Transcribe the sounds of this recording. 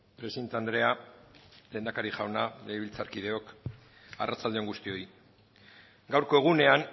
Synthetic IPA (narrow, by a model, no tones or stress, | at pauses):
pɾe̞sint̪and̪ɾe̞a | le̞ːnd̪akaɾiʝawnaleːβilt͡saɾkið̞e̞o̞k | a̰rat͡sald̪eoŋɡust̪io̞i | ɡawɾko̞e̞ɣ̞une̞aŋ